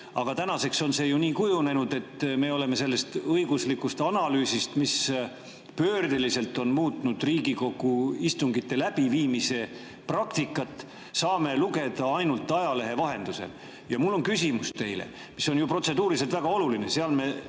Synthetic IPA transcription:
ɑɡ̥ɑt̪ænɑse̞kso̞nse̞juniːkujune̞nud̪e̞t̪ːme̞ːo̞le̞me̞se̞lːe̞st̪ɤjɡ̥uslikːust̪ɑnɑlyːsist̪mis | pø̞ːrd̪̥elise̞lt̪ːˑo̞nmuːt̪ˑnud̪̥riːɡiko̞ɡˑuist̪uŋɡit̪ːe̞læb̥iviːmise̞ | prɑkt̪ikːˑɑt̪ːˑ | sɑːme̞luɡe̞d̪̥ɑɑjnult̪ːˑɑjɑle̞ɦe̞vɑɦe̞nd̪use̞̰l | jɑmulːo̞nkysimust̪e̞jlḛ | misːo̞njupro̞t̪se̞d̪̥uːɾis̬e̞lt̪væɡ̥ɑo̞luline̞seɑlme̞

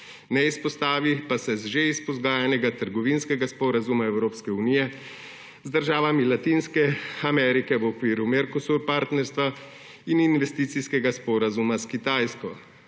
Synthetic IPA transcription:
nɛispɔst̪aːʋipasɛzʒeispɔzɡaːjanɛɡat̪əɾɡɔʋinskɛɡaspɔɾazumaɛwɾoːpskɛuniːjɛ | zd̪əɾʒaːʋamilat̪iːnskɛamɛːɾikɛʋɔkʋiːɾumɛɾkɔsuɾpaɾt̪nɛɾst̪ʋa | ininʋɛst̪iːt̪siskɛɡaspɔːɾazumaskit̪aːjskɔ

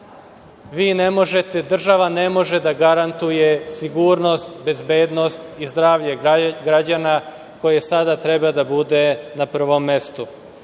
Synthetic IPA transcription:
ʋiːne̞mo̞ʒe̞t̪e̞d̪r̩ʒaʋane̞mo̞ʒe̞d̪aɡaɾant̪uje̞siɡuːɾno̞st̪be̞zbe̞ːd̪no̞st̪izd̪ɾaːʋʎeɡɾad͡ʑana | ko̞jesad̪at̪ɾebad̪abud̪e̞napr̩ʋo̞mːe̞st̪u

